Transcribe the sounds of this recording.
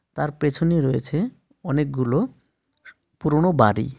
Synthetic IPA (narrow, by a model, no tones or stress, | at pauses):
t̪aɾpɾet͡ɕʰoniɾojet͡ɕʰe | ɔnek̚ɡulo | puɾoɳobaɾḭ